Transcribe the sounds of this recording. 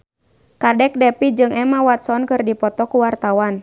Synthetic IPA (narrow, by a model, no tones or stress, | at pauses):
kadɛk̚dɛpid͡ʒɨŋɛmawat̪sɔnkɨrdipɔt̪ɔkuwart̪awan